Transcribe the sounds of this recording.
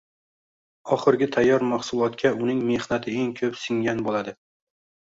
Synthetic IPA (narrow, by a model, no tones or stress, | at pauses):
ɒχɨɾɡʲɪt̪ʰajːɒɾmaχsʊlˠɒt̪kʲʰaʊnɪŋme̞hnat̪ʰɪe̞ŋkʲʰɵpsɪŋɡʲanbolad̪ɪ